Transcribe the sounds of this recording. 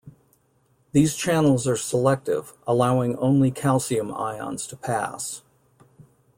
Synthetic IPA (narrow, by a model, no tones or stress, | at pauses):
ðiz̥t͡ʃʰænl̩ˠzə˞səlɛk̚tɪ̰vʔəlaʊɪ̃ŋõ̰ʊ̃nlikʰælˠsiɨ̃ma̰ɪɑ̰̃nz̥tʰəpʰæ̰s